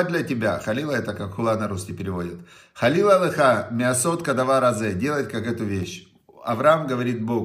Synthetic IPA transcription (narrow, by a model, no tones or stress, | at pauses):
d̪lʲɐtʲɪbʲaxɐlʲilˠɐɛt̪əkakxʊlˠanɐɾuskʲɪpʲɪɾʲɪvo̞dʲɪt̪ | xɐlʲilˠəlˠɨxamʲɪɐsot̪kɐd̪ɐvaɾɐzɛdʲe̞lˠətʲkakɛt̪ʊvʲeɕ | ɐ̰vɾɐamɡəvɐɾʲit̪̚boɡ